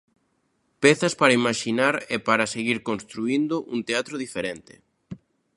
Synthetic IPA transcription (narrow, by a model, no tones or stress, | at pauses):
pɛθɐspaɾaimaʃinaɾɛpaɾaseɣiɾkonst̪ɾuind̪ʊʔunt̪eat̪ɾoðifeɾɛnt̪ɪ